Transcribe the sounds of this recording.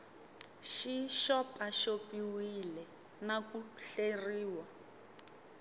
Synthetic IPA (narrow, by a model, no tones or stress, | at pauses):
ʃiʃɔpʼaʃopiwilɛ | nakuɬeriːwa